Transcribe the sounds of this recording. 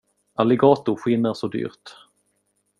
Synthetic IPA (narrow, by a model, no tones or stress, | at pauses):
ʔalɛɡɑːt̪ʊɾɧɪnːaɾʂɔd̪y̰ːɾt̪